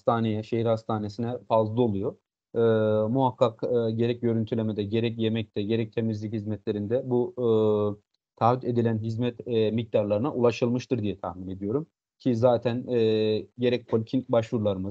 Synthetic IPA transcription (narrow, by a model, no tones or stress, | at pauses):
ast̪ʰaːnejɛʃe̞hiɾhast̪ʰaːne̞sinɛfazlˠɯo̞lˠujo | ɯːmuɦakːakːɟe̞ɾɛc̚ɟø̞ɾynt̪ʰylʲe̞med̪ɛɟe̞ɾɛc̬jemɛc̚t̪ʰɛɟe̞ɾɛc̚t̪ʰe̞mizlʲichizmɛt̪lʲe̞ɾind̪ɛbu | t̪ʰaːyd̪e̞d̪ilʲænɦizmɛt̪mic̚d̪aɾlˠaɾɯnaʔulˠaʃɯlˠmɯʃt̪ɯɾd̪ijɛt̪ʰa̰hmine̞d̪ijo̞ɾum | cʰizaːt̪ʰænːɟe̞ɾɛc̚pʰolʲcʰinbaʃvuɾlˠaɾɯmɯ